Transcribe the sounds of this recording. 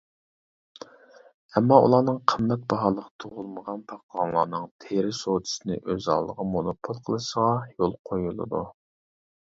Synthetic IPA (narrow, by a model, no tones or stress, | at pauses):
ɛmːɑṵlˠɑːnɨŋqʰəmːɛt̪̚bɑɦɑːlˠəʁt̪ʰoʁʊlˠməʁɑnpʰɑqːɑŋlˠɑ̰ːnɨŋt̪ʰeɾɪsod̪ʰɨ̥sɪnɪ̰ʔøzɑ̰ːlˠːəʁɑmonopʰolˠqʰəlˠɨʃəʁɑjolˠqʰojulˠɨ̰d̪u